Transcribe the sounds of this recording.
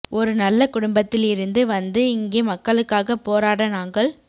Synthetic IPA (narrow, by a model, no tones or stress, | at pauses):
ʔɔɾɯnɐlːɐkʊɽʊmbɐt̪ːɪlɪɾɯnd̪ɯʋɐnd̪ɯɪŋɡeːmɐkːɐɭɯkːaːɣɐpːoːɾaːɽɐnaːŋɡɐɭ